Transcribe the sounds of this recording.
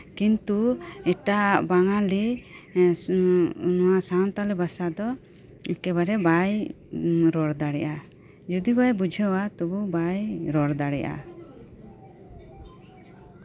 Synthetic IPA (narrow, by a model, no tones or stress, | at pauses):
kint̪uɛʈabaŋali | nɔwasant̪alibasad̪ɔ | kɛβaɾɛbaj | ɾɔɾd̪aɽɛʔa | d͡ʒud̪ibajbud͡ʒʱəwat̪ububajɾɔɾd̪aɽɛ̰ʔa̰